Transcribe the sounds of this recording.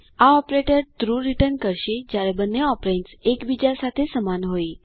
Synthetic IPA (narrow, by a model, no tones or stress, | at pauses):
aɔpɾeʈəɾt̪ɾuɾiʈəɾnkəɾɕed͡ʑaɾebənːeɔpɾeɳʈsekbid͡ʑasat̪ʰesəmanɦoi